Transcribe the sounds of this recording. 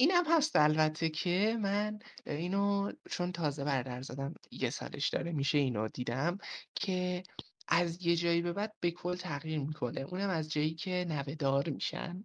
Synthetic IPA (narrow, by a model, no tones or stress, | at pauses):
ʔiːnæmhæst̪ælbæt̪ʰːe̞cʰe̞mæniːnot͡ʃʰo̞nt̪ʰɒːze̞bæɾd̪æɾzɒd̪æmjesɒ̰ːlḛʃd̪̥ɒ̰ːɾe̞miʃe̞iːnod̪iːd̪æmcʰe̞ʔæzje̞d͡ʒɒːjibe̞bæd̪̥̚be̞kʰo̞lt̪ʰæɣjiːɾmikʰo̞ne̞ʔṵːnæmæzd͡ʒɒːjiːcʰe̞næve̞d̪ɒːɾmiʃæ̰n